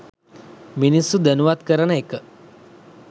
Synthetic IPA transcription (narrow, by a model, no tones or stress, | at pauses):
minisud̪ənuʋat̪kəɾənəekə